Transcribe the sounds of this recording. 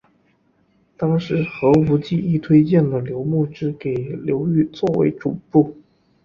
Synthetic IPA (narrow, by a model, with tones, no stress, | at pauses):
t̪ɑ˥ŋʂɻ̩˧˥xɤ˧˥u˧˥t͡ɕi˥˧i˥˧t̪ʰwe˥ɪt͡ɕjɛ˥˩nd̪ə˩ljo˧˥ʊmu˥˩ʈ͡ʂɻ̩˥ke˨˩ɪljo˧˥ʊy˥˧t͡swɔ˥˩wḛ˧˥ɪʈ͡ʂu˨˩pu˥˩